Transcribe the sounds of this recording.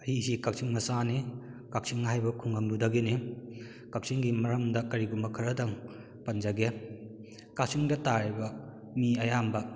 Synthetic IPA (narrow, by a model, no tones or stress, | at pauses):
ɐisikak̚sʰiŋmɐsanikak̚siŋɦajbɐkʰuŋɡɐŋdudɐɡeni | kak̚sʰiŋɡimɐɾɐmdɐkɐɾiɡumbɐkʰɐɾɐdɐŋ | pɐnd͡ʒɐɡe | kak̚siŋdɐtaɾibɐ | miɐjambɐ